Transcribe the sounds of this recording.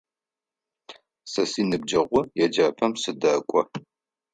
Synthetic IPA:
sɐsiːnɨb̚d͡ʒɐʁʷʊjɛd͡ʒaːpʰɐmsɨdɐkʷʼɔ̰

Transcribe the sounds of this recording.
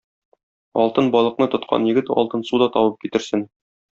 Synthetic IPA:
ɒ̰lˠt̪ɤnbɒlˠɤ̆qnɤt̪ŏt̪qʰɑ̰njɘ̆ɡɘt̪ɒ̰lˠt̪ɤnsud̪ɒt̪ɒwɤp̚kit̪ɘ̆ɾsɘn

